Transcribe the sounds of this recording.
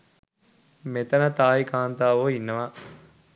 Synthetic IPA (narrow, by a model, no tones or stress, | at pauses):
met̪ɐnɐt̪aːjikaːnt̪aːʋoinːɐʋa